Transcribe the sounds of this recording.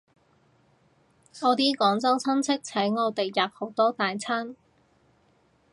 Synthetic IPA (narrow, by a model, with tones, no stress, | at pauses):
ŋɔː˨˧t̪iː˥kɔː˨˥ŋt͡sɐ˥wt͡sʰɐ˥nt͡sʰɪ˥k̚t͡sʰɐ˨˥jŋɔː˨˧t̪e˨˩jːɐː˨p̚ho˨˥wt̪ɔː˥t̪aː˨jt͡sʰɐ˥n